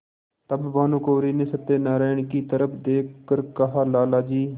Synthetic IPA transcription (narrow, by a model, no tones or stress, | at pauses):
t̪əbʋaːnũːkoːɾiːnɪsət̪ːeːnaːɾaːɪɳkiːt̪əɾəpʰd̪eːkʰːəɾkəɦaːlaːlaːd͡ʒiː